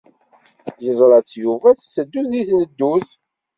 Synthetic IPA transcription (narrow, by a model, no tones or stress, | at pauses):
jəzˤɾˤɑt͡sːjuvæθsəd̪ːuθiθnəd̪ːuθ